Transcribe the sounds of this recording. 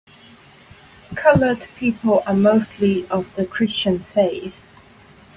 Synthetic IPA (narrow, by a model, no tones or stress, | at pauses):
kʰʌlədpʰiˑpʰələmoʊstliəvðəkʰɹ̥ɪst͡ʃə̃nfeɪθ